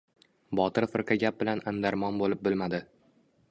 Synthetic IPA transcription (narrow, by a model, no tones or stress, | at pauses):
bɒt̪ɪɾfɨɾqɑɡʲap̚bɪlanand̪aɾmɒnbolɪp̚bɪlmad̪ɪ